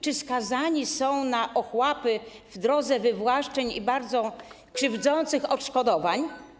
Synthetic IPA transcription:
t͡ʂɘskazaɲisɔ̃w̃naʔɔxwapɘvd̪ɾɔd̪zɛvɘvwaʂt͡ʂɛɲḭbaɾd̪zɔ | kʂɘvd̪zɔnt̪sɘxɔtʂkɔd̪ɔvaɲ

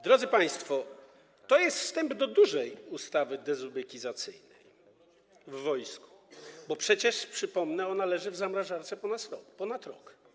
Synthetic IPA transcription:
d̪ɾɔd̪zɘpaj̃st̪fɔ | t̪ɔjɛst̪fst̪ɛmbd̪ɔd̪uʐɛjust̪avɘd̪ɛzubɛkʲizat̪sɘjnɛj | vːɔjsku̥bɔpʂɛt͡ɕɛʂpʂɘpɔmnɛɔnalɛʐɘvzamɾaʐaɾt̪sɛpɔnasɔpɔnat̪ɾɔk

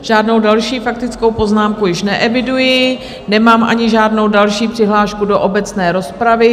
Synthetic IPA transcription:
ʒ̥aːdno̞wdalʃiːfak̚t̪ɪt͡sko̞wpo̞znaːmkujɪʃnɛʔɛvɪdujɪ | nɛmaːmʔa̰ɲɪʒaːdno̞wdalʃiːpr̥ɪɦlaːʃkudoʔobɛt͡snɛːɾo̞spɾavɪ

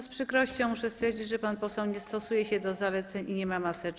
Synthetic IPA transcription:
spʂɘkɾɔɕt͡ɕɔ̃w̃muʂɛst̪fʲjɛɾd͡ʑid͡ʑʐɛpanpɔsɛwɲɛst̪ɔsujɛɕɛd̪ɔzalɛt̪sɛɲʔiɲɛmamasɛt͡ʂ

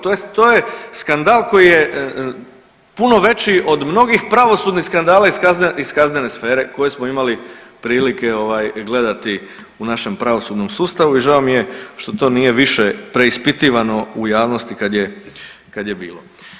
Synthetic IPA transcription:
t̪ojest̪t̪o̞jeskand̪aːlˠko̞jije | puno̞ʋe̞t͡ɕiʔo̞d̪mno̞ɡixpɾaʋo̞suːd̪nixskand̪aːlaiazneiskaznenesfe̞ːɾeko̞je̞smoimalipɾiːlike̞o̞ʋajɡle̞d̪at̪i | unaʃe̞mpɾaʋo̞sud̪no̞msuːst̪aʋuiʒaomije̞ʃt̪ot̪o̞ːnije̞ʋiʃepɾe̞ispit̪iːʋano̞ujaːʋno̞st̪ikad̪je | kad̪je̞biːlo̞

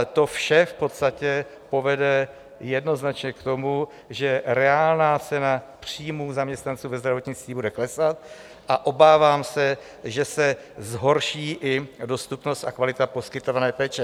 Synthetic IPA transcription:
t̪o̞fʃɛfpo̞t̪st̪acɛpo̞vɛdɛ | jɛdno̞znat͡ʃɲɛkt̪o̞mu | ʒɛɾɛaːlnaːt͡sɛna | pr̝̥iːmuːzamɲɛst̪nant͡suːvɛzd̪ɾavo̞t̪ɲɪt͡st̪viːbudɛklɛsat̪̚ | ʔaʔo̞baːvaːmsɛ | ʒɛsɛ | zɦo̞ɾʃiːʔɪdo̞st̪upno̞st̪ʔakvalɪt̪apo̞skɪt̪o̞vanɛːpɛːt͡ʃɛ

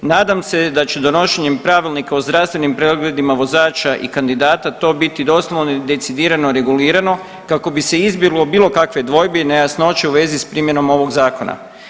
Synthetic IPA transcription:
naːd̪amse̞d̪at͡ɕed̪o̞no̞ʃeɲempɾaʋilnikaozd̪ɾaʋst̪ʋenimpɾeɡle̞d̪imaʋo̞zaːt͡ʃaʔḭkand̪id̪aːt̪at̪o̞ːbit̪id̪o̞slˠoʋned̪e̞t̪sid̪iːɾanoɾe̞ɡuliːɾano̞ | kako̞bise̞izbjiɡlˠo̞biːlˠo̞kakʋe̞d̪ʋo̞jbenejasno̞t͡ʃeuʋe̞zispɾiːmje̞no̞mo̞ʋo̞ɡzaːko̞na̰

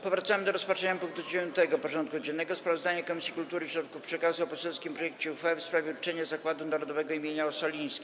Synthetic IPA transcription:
pɔvɾat̪samɘd̪ɔɾɔspatt͡ʂɛɲapuŋk̚t̪ud͡ʑevʲjɔnt̪ɛɡɔpɔʐɔnt̪̚kud͡ʑɛnːɛɡɔspɾavɔzd̪aɲakɔmisʲjikult̪uɾɘɕɾɔt̪kufpʂɛkazuɔpɔsɛlskʲimpɾɔjɛkt͡ɕɛufɛfspɾavʲɛut͡ʂɛɲɛzakwad̪unaɾɔd̪ɔvɛɡɔimʲjeɲaɔsɔlʲij̃skʲi

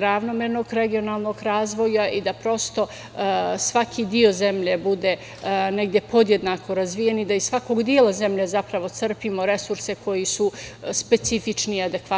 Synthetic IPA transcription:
ɾaʋnomeɾno̞ɡɾe̞ɡio̞nalˠno̞ɡɾaːzʋo̞jaʔid̪apɾo̞st̪o̞ | sʋakʰid̪io̞ze̞mʎe̞bud̪e̞ | neɡd̪je̞po̞d̪je̞d̪nakʰo̞ɾazʋijenid̪aizsʋako̞ɡd̪ijelaze̞mʎezapɾaʋo̞t̪sr̩pimo̞ɾe̞suɾse̞ko̞jisuspe̞t̪sifit͡ʂniad̪e̞kʋa

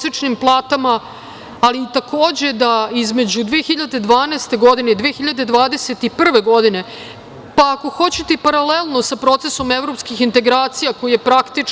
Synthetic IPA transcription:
sit͡ʂnimplˠaːt̪amaː | liːt̪akʰo̞ːd͡ʑe̞d̪aizme̞d͡ʑud̪ʋeːxiʎad̪e̞d̪ʋaːneːst̪e̞ɡo̞d̪ined̪ʋeːxiʎad̪e̞d̪ʋaːd̪ese̞t̪ipr̩ʋe̞ɡo̞d̪ine̞ | paːko̞xo̞t͡ɕet̪epaɾalelˠnosapɾo̞t̪se̞so̞me̞vɾo̞pskixint̪e̞ɡɾaːt̪sijako̞jijepɾakt̪i

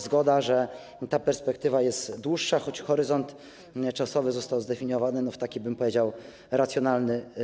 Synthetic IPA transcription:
zɡɔd̪aʐɛ | t̪apɛɾspɛk̚t̪ɘvajɛst̪d̪wuʂːaxɔt͡ɕxɔɾɘzɔnt̪ | t͡ʂasɔvɘzɔst̪awzd̪ɛfʲiɲɔvanɘnɔft̪akʲibɘmpɔvʲed͡ʑaw | ɾat̪sʲjɔnalnɘ

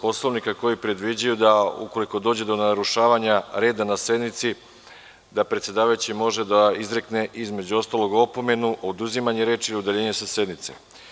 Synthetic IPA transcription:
po̞slo̞ʋnikako̞jipɾe̞d̪ʋid͡ʑajud̪aṵko̞liko̞d̪o̞ːd͡ʑe̞d̪o̞naɾuʃaːʋaɲaɾe̞ːd̪anase̞d̪nit̪si | d̪apɾe̞t̪sjed̪aːʋajut͡ɕimo̞ʒed̪aizɾe̞kne̞ʔizme̞d͡ʑuo̞st̪aːlo̞ɡo̞po̞me̞nuʔo̞d̪uzimaɲeɾeːt͡ʃiud̪eʎeːɲesase̞d̪nit̪sḛ

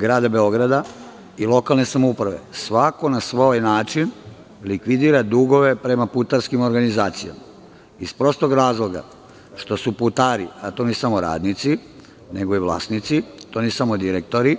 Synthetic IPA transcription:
ɡɾaːd̪abe̞o̞ɡɾad̪a | ilˠo̞kalne̞samoupɾaʋe̞̰sʋako̞nasʋojnaːt͡ʃin | likʋid̪iːɾad̪uɡo̞ʋepɾe̞maput̪aɾskimo̞ɾɡanizaːt̪sija̰ma | ispɾo̞st̪o̞ɡɾaːzlˠo̞ɡa̰ | ʃt̪o̞suput̪aːɾiat̪o̞nisamo̞ɾa̰ːd̪nit̪si | neɡo̞iʋlˠa̰snit̪sit̪o̞nisamod̪iɾek̚t̪o̞ɾi

